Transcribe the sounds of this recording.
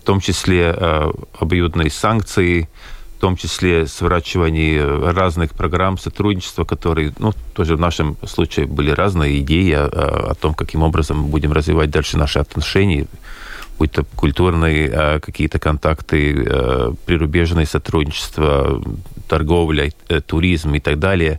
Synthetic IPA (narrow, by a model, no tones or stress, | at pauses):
ft̪o̞mt͡ɕɪsʲlʲe | ɐbɐjud̪nɨjəsank̚t̪sɨɪ | ft̪o̞mt͡ɕɪsʲlʲesvɐɾat͡ɕːɪvənʲɪjəraznɨxpɾɐɡɾamsɐt̪ɾudʲnʲɪt͡ɕɪ̥st̪vəkɐt̪o̞ɾɨjənut̪o̞ʐɨvnaʂɨmslˠut͡ɕɪjɪbɨlʲɪɾʔaznɨjəɪdʲejɪɐ̰ɐ̰t̪o̞mkɐkʲimo̞bɾəzəmbudʲɪmrəzvʲɪvat̚ʲd̪alʲʂɨnaʂɨɐt̪nɐʂɛnʲɪjə | but̪ːəkʊlʲt̪urnɨjəkɐkʲijət̪əkɐnt̪akt̪ɨ̰ | pɾʲɪɾʊbʲeʐnɨjəsɐt̪ɾudʲnʲɪt͡ɕɪ̥st̪vət̪ɐrɡo̞vlʲət̪ʊɾʲizmɪt̪aɡ̚d̪alʲɪjə